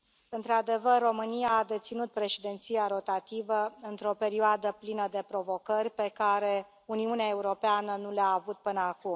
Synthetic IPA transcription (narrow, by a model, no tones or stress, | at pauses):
ɨnt̪ɾad̪e̞vərːo̞mɨnijaːd̪e̞t̪sinut̪̚pɾe̞ʃed̪e̞nt̪sijaɾo̞t̪at̪ivəɨnt̪ɾo̞pe̞ɾioad̪əplinəd̪e̞pɾo̞vo̞kərʲpe̞kaɾe̞ | uniuneae̞uɾo̞peanənuleaːvut̪̚pɨnəaku